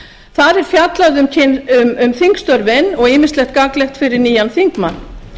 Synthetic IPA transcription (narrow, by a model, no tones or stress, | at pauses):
θaɾɛɾ̥fjat̪laðʏmcʰɪnʏmʏmθiŋkst̪œɾvɪnːɔɣɪːmɪst̪lɛxt̪̚kaklɛhxt̪fɪɾɪɾniːjanθiŋkmanː